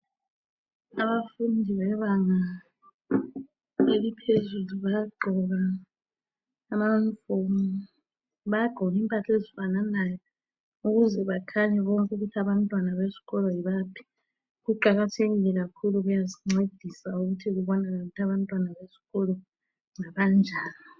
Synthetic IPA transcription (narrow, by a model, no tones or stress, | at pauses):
aβafundʱiβɛβaŋa | elipʰezuluβajɡ͡ǃʱɔɣa | maunifomu | βajaɡ͡ǃʱɔɣimpʼatʰezifananajɔ | uɣuzɛβakʰaɲɛβɔŋkʼuɣutʰaβantʼwanaβesi̥ɣɔlɔjiβaːpʰi̥ | kuǃaɣ̬atʰeɣilɛk̬akʰuluɣujaziŋ͡ǀed̥ʱisauɣutʰiɣ̬uβɔnanautʰaβantʼwanaβesi̥ɣɔlɔ | ŋaβand͡ʒʱaːni